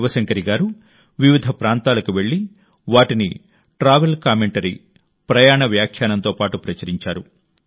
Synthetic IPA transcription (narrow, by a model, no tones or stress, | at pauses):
ʋɐsɐŋkɐɾiɡaːɾu | ʋiʋid̪ʱɐpɾaːnt̪aːlɐkuʋe̞ɭːi | ʋaːʈini | ʈɾaːʋelkaːmeɳʈɐɾi | pɾɐjaːɳɐʋjaːkʰjaːnɐnt̪oːpaːʈupɾɐt͡ʃɐɾiɲt͡ʃaːɾu